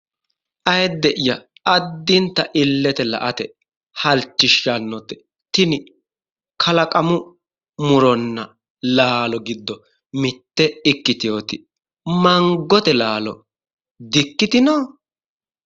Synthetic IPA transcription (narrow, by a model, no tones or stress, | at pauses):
ʔɐjɛd̪ːɛʔɪjɐ | ɐd̪ːɪnt̪ːɐʔɪlːɛt̪ɛlɐ̰ʔɐt̪ɛ | hɐlt͡ʃːɪʃːɐnːɔt̪ːɛ | t̪ɪnɪ | kʰɐlɐkʼɐmʊ | mʊɾɔnːɐ | laːlɔɡɪd̪ːɔ | mɪt̪ːɛɪkːɪt̪ɪjoːt̪ɪ | mɐŋɡɔt̪ɛlaːlɔ̰ | d̪ɪkːɪt̪ɪnoː